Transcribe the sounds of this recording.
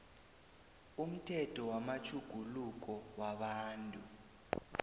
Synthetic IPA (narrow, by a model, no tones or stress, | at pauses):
um̩tʰɛtʰɔwamat͡ʃʰuɡ̥ʱuluk̬ɔwaɓaːntʼu